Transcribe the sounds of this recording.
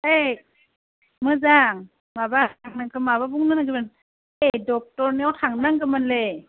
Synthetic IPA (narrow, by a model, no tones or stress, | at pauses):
e | mɯzaŋ | mabaŋnakɯmaβabuŋnɯnaɡɯbɯn | ejdɔk̚tɔɾniawtʰaŋnaŋɡɯmanle